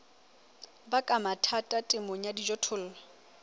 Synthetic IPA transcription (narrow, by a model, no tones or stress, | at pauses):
bakʼamatʰatʼatʼɪmʊɲadid͡ʒɔtʰʊl̩ːlɔ